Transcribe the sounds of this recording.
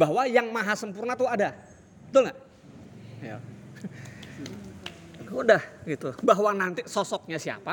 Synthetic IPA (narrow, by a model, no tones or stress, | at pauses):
baɦwajaŋmaɦasəmpurnat̪ʊada | bət̪ʊlŋa | ja̰ | udahɡit̪ubaɦwanant̪isɔsɔk̚ɲasia̰pa